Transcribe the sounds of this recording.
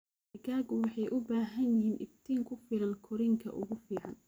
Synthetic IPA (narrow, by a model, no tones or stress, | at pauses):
ɡaːɣʊwɑħɑjʔʊbaːɦɐnjɪɦiːnʔɪ̰b̚t̪ʰiːŋkʰʊfɪlɐnkʰɔɾiŋkʰɐ̰ʔʊ̰ɣʊfiːʕɑn